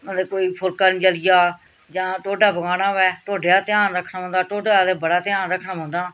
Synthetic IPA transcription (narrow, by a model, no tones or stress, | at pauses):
ənd̪eːkoːiːpʰʊlkaːnĩt͡ʃəlɪjaː | d͡ʒãːʈoːɖaːbəɡaːɽãːʋɛːʈoːɖjaːt̪ɪjaːnɾəkʰnaːɦõnd̪aːʈoːɖaːd̪eːbəɽaːt̪ɪjaːnɾəkʰːnãːɦõːnd̪aː